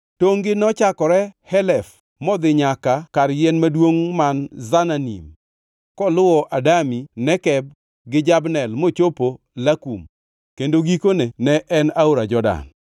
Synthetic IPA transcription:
toŋɡɪnɔt͡ʃakɔɾɛhɛlɛf | mɔd̪ɪɲakakarjɛnmadwoŋmanzananḭm | kɔlʊwɔʔadaminɛkɛb̚ | ɡɪd͡ʒabnɛlmot͡ʃopo | lakṵm | kendoɡikonenɛʔɛnaoɾad͡ʒɔda̰n

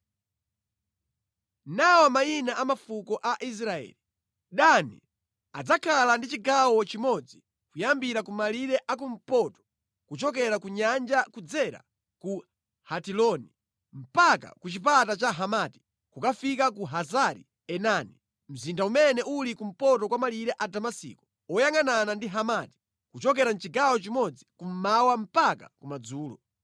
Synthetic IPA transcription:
nawamainaʔamafukɔʔaʔis̬ɾaɛ̰ːli | ɗanḭ | a̰d͡zakʰalandit͡ʃiɡawɔt͡ʃimɔd͡zi | kujambiɾakumaliɾɛʔakum̩pɔtɔ̥ | kut͡ʃɔk̬ɛɾakuɲand͡ʒakud͡zɛɾa̰ | ku | hatilɔni | m̩paka̰kut͡ʃip̬atat͡ʃaɦamati̥ | kukafikakuɦazaɾḭ | ɛnani | m̩zindaumɛnɛʔulikum̩pɔtɔkwamaliɾɛʔadamasḭːkɔ̥ | ɔjaŋananandiɦamaːti̥ | kut͡ʃɔk̬ɛɾan̩t͡ʃiɡawɔt͡ʃimɔd͡zikum̩mawam̩pakakumad͡zuːlɔ̰

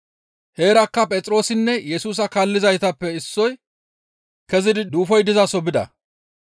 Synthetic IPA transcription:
he̞ːɾɐkːɐpʼɛt͡sʼɾo̞ːsɪnːɛjɛsuːs̬ɐkaːlːɪzɐjt̪ɐpːɛɪsːɔj | kɛzɪd̪ɪd̪uːfɔjd̪ɪzɐsɔbɪd̪ɐ̰

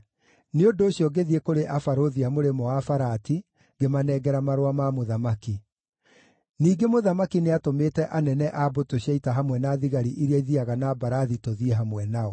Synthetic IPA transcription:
neondoːɕjɔɡeðiekoɾeʔafaɾoðiamoɾemɔwafaɾati | ɡemanɛːɡɛɾamaɾowamamoðamaki | niːɡemoðamakineatomeːtɛʔanɛnɛʔabotoɕaitaɦamwɛnaðiɣaɾiʔiɾeaiðiaɣanabaɾaðitoðieɦamwɛnaɔ

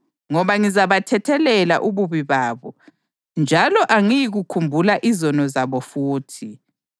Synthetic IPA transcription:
ŋɔβaŋizaβatʰɛtʰɛlɛla̰ʔuβuβiβaːβɔ | nd͡ʒʱalɔʔaŋijiɣukʰumbʱulaʔizɔnɔzaβɔfuːtʰi

